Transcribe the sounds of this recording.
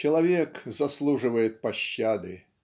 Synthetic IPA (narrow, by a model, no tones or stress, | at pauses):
t͡ʃɐlˠavʲɛkzaslˠuʐɨvɐjɛt̪̚paɕːad̪ɨ